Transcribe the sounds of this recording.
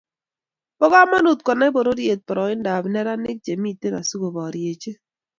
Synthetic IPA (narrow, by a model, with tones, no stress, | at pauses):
pɔ˦ɡa˦ma˦nu˨t̚kɔ˨na˦bo˨ɾo˦ɾje˨t̚pɔ˨ɾɔ˨ɪ˦n˦da˨bnɛ˦ɾa˦nɪ˦k̚d͡ʒe˨mi˦˨te˦na˨su˦ɡo˨bɔ˨ɾje˨t͡ʃe˦